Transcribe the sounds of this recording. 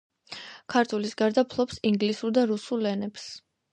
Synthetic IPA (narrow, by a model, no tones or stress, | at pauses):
kʰaɾt̪ʰulisɡaɾd̪apʰlˠɔpsiŋɡlisuɾd̪aɾusulɛnɛps